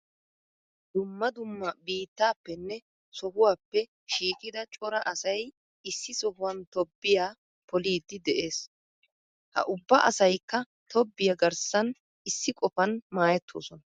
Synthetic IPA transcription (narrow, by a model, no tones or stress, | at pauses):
d̪ʊmːɐd̪ʊmːɐbiːt̪ːaːpːɛnːɛ | sɔhʊwaːpːɛ | ʃiːkʼɪd̪ɐt͡ʃʼɔɾɐʔɐsɐj | ɪsːɪsɔhʊwɐnt̪ɔbːɪjaː | pɔliːd̪ːɪd̪ɛʔe̞ːs | hɐ̰ʔʊbːɐʔɐsɐjkːɐ | t̪ɔbːɪjɐɡɐɾsɐn | ɪsːɪkʼɔfɐnmaːjɛt̪ʰːo̰ːsɔnɐ